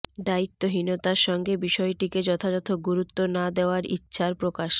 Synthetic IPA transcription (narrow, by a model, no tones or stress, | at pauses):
d̪ait̪ːoɦinot̪aɾʃɔŋɡebiʃɔeʈiked͡ʑɔt̪ʰad͡ʑɔt̪ʰoɡuɾut̪ːonad̪eoaɾḭtːɕʰaɾpɾokaʃ